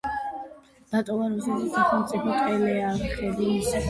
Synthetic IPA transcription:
d̪̥at̪ʼɔvaɾɔsɛzɛsaχɛmt̪sʼipʰɔt̪ʼɛlɛaɾaχɛbulis

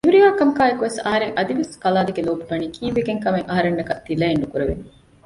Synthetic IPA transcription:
eɦuɾijaːkɐmkaːekuʋesɐɦɐɾeŋʔɐd̪iʋeskɐlaːd̪eɡeloːbuʋɐniːkʰiːʋeɡeŋkɐmeŋʔɐɦɐɾenːɐkɐt̪ːilɐenːukuɾeʋe

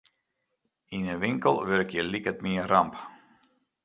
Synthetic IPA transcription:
inəʋɪŋkəlˠʋøɾkjəlikətmɪəramp

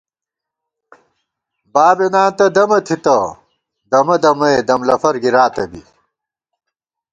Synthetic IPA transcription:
baːbenaːnt̪ɐd̪ɐmɐt̪ʰit̪ɐ | d̪ɐmɐd̪ɐmɐed̪ɐmlɐfɐɾɡiɾaːt̪ɐbḭ

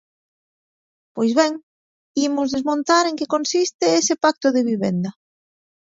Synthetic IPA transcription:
pojzβɛŋ | imʊzðezmõnt̪aɾeŋkekonsist̪eesɪpak̚t̪ʊðeβiβend̪ɐ

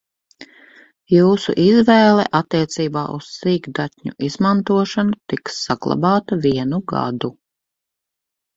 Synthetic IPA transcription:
juːsṵʔizvɛːlˠɛ̰ʔat̪ːiɛt̪siːbaːʔussiːɡd̪at̪ʲɲṵʔizmant̪uɔʃanut̪iksːaɡ̥lˠa̰baːt̪ɐviɛnuɡa̰d̪u

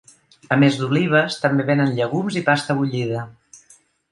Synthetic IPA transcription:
əmezd̪uliβ̞əst̪əmbeβenənʎəɣ̞umzipast̪əβuʎiðə

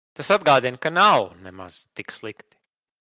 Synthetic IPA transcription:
t̪asad̪̚ɡaːd̪inkanawnɛma̰z̥t̪ikslˠikt̪i̥

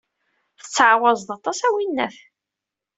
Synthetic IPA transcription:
θə̥t͡sːʕwɑzˤt̪ɑt̪ˤɑsæwinːæθ

